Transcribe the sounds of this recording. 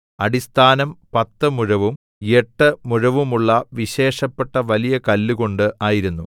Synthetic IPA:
ɐɽist̪ʰaːnɐmpɐt̪ːɨmuɻɐʋum | e̞ʈːɨmuɻɐʋumuɭːɐʋiɕe̞ːʂɐpːeʈːɐʋɐlijɐkɐlːuko̞ɳɖɨʔaːjiɾunːu

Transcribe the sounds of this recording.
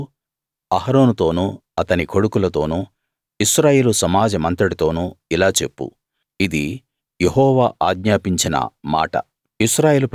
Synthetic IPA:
ɐɦɐɾo̞ːnut̪o̞ːnuɐt̪ɐnikʰo̞ɽukulɐt̪o̞ːnu | iʃɾaːje̞ːlusɐmaːd͡ʒɐmɐnt̪ɐɽit̪o̞ːnuilaːt͡ʃe̞pːṵ | id̪i | jeɦɔːʋaːʔaːɡɲaːpiɲt͡ʃinɐ̰ma̰ːʈɐ̰ | iʃɾaːje̞ːlupɾ

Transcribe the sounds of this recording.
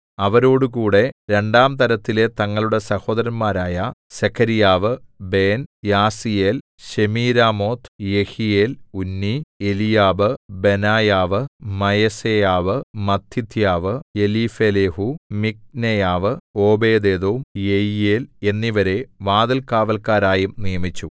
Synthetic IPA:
ɐʋɐɾo̞ːɽɨkuːɽe̞ɾe̞ɳɖaːmt̪ɐɾɐt̪ːile̞t̪ɐŋːɐɭuɽesɐho̞ːd̪ɐɾɐnmaːɾaːjɐsekʰɐɾijaːʋɨbe̞ːnjaːsijeːl | ɕemiːɾaːmo̞ːt̪ʰjehijeːlunːielijaːbɨbe̞naːjaːʋɨmɐjɐsejaːʋɨmɐt̪ʰːit̪ʰjaːʋɨje̞liːfeːleːhumik̚nejaːʋɨo̞ːbe̞ːd̪eːd̪oːmjejijeːle̞nːiʋɐɾe̞ʋaːd̪ɐlkaːʋɐlkaːɾaːjumnijɐmit͡ɕːu

